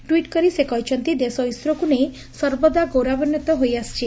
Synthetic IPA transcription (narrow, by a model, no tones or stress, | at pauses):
ʈwiʈkɔɾisekɔjt͡ʃʰɔnt̪id̪esɔjsɾɔkunej | sɔɾbɔd̪aɡowɾabɔnjɔt̪ɔɦojast͡ʃʰi